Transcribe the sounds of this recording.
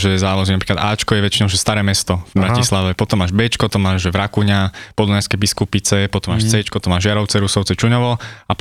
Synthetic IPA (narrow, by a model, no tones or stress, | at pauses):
ʒɛzaːlɔzinapɾiːklad̪aːt͡ʃkɔjɛʋɛt͡ʃinɔʊʒɛst̪aɾɛːmɛst̪ɔvbɾacislaʋɛpɔt̪ɔmːaːʒbɛt͡ʃkɔpɔt̪ɔmːaːʒʒɛʋɾakuɲapɔd̪ɔnajskɛjbiskupit͡sɛpɔt̪ɔmaːʃt͡sɛt͡ʃkɔt̪ɔmːaːʒɪaɾɔʊt͡sɛɾusɔʊt͡sɛt͡ʃuɲɔʋɔa